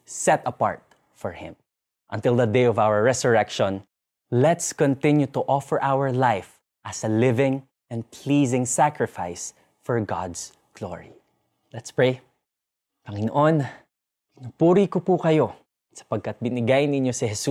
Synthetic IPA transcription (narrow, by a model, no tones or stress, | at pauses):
sɛt̪ɐpa̰ɹt̪̚ | fɔɹhɪ̰̃m | ʔɐ̰nt̪ɪlˠd̪ɐd̪ejɔvawəɹɹɛsʊɹɛkʃɔ̃n | lɛt̪skɔnt̪ɪ̃njut̪ʊʔɔfɛɹʔawəɹlajf | ʔɐsɐlɪvɪ̃ŋ | ʔɛ̃n̚pʰliːzɪ̃ŋsakɹɪfa̰js | fɔɹɡa̰d̪s | ɡ̥lo̰ɹi | lɛt̪spɹej | pɐŋɪno̰ʔon | ɪnupuːɾikopukɐjo̞ | sɐ̥pɐɡ̚kɐt̪̚bɪnɪɡajnɪɲjosɪhɛsu